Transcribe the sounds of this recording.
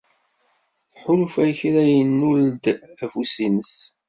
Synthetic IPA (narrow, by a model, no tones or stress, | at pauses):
ħʊlfæjçɾæjənːuld̪æfusinəs